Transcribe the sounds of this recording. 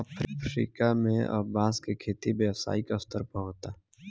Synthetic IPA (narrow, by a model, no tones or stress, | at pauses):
əpʰɾpɾḭːkamẽɐ̰bãːskekʰeːt̪ibeʋsa̰ːikast̪əɾpəɦoːt̪aː